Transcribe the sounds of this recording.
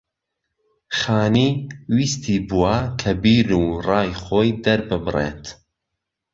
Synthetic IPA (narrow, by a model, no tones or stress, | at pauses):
χaːniːwiːst̪ʰiːbuwɐkʰɐbiːɾuːrɑːjχoːjd̪ɐɾbɨbɨrḛt̪